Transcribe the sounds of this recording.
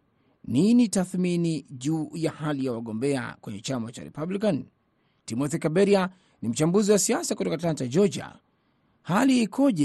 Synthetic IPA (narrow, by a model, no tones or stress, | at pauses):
ninitaθminiʄuːjahalijawaɠɔmbɛa̰kwɛɲɛt͡ʃamat͡ʃa̰ɾɛ̰pablikan | timɔθikabɛɾia | nim̩t͡ʃambuziwasiasakutɔkatlantad͡ʒɔd͡ʒa̰ | haliːkʰɔʄɛ